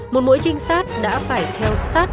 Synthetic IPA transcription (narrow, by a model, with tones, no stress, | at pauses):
mo˨˩t̚mo̰˧˥jt͡ɕï˧ŋ̟saː˦˥t̚ɗa̰ː˧˥faː˧˩jt̪ʰɛ˧wsaː˦˥t̚